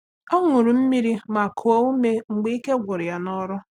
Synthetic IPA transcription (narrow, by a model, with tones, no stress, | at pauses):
o˦ŋʊ˨ɾu˨m̩˦mi˦ɾi˦ma˨kʰo˨o˦u˦me˦ŋ͡m̩˨ɡ͡be˦i˦ke˦ɡʷʊ˨ɾɪ˨a˨nɔ˦ɾʊ˦